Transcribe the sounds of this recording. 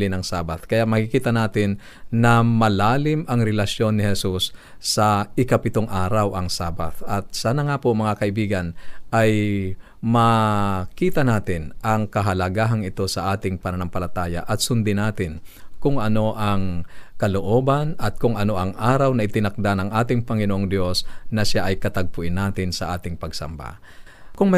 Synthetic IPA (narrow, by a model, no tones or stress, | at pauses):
lɪnɐŋsaːbat̪kɐjamɐkɪkiːt̪ɐnaːt̪ɪnː | ɐmɐlaːlɪmʔɐŋɾɛlɐsjo̞nːɪhɛsusː | ɐɪkɐpɪt̪oŋʔaːɾɐwʔɐŋsaːba̰t̪ɐt̪̚saːnɐŋapʊʔŋmɐŋakɐʔɪbiːɡɐnʔaj | mɐkiːt̪ɐnaːt̪ɪnʔɐŋkɐɦɐlɐɡaɦɐŋɪt̪o̞sɐʔaːt̪ɪŋpɐnɐnampɐlɐt̪aːja̰ʔɐt̪sʊnd̪ɪnaːt̪ɪnkʊŋʔɐno̞ʔɐŋkɐloʔo̞ːbɐnɐt̪̚kʊŋʔɐno̞ʔɐŋʔaːɾɐwnɐʔɪt̪ɪnɐk̚d̪anɐŋʔaːt̪ɪŋpɐŋɪnoʔoŋd̪jo̞snɐʃaʔɐjkɐt̪ɐɡ̚pʊʔɪnaːt̪ɪnsɐʔaːt̪ɪŋpɐɡsɐ̰mba̰ | kʊŋmɐ